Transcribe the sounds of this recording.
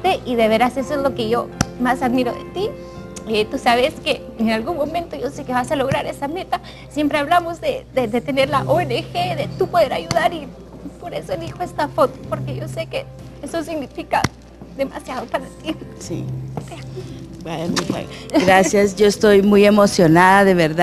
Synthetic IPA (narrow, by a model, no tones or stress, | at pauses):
t̪eʔiðeβeɾasesoezlo̞keʝomasaðmiɾoðḛt̪i | et̪usaβeske | enalɣunmõmẽnt̪oʝosekeβasalo̞ɣɾaɾesame̞t̪a | sje̞mpɾeaβlamozðeðed̪et̪eneɾlaʔoenexeðet̪upo̞ðeɾajuðaɾi | poɾesoelðixoest̪afot̪o̥poɾkeʝo̞seke | esosiɣnifika̰ | d̪ema̰sjaðopaɾat̪isḭebwemia̰ɡɾasjasʝoest̪ojmujemosjo̞naðaðeβeɾða